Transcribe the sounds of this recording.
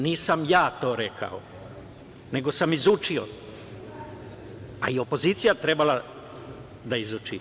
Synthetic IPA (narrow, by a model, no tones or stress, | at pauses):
niːsamjaːt̪o̞ːɾekʰa̰o | ne̞ɡo̞samizut͡ʃio̰ | a̰io̞po̞ziːt̪sijat̪ɾebala | d̪aizut͡ʃḭ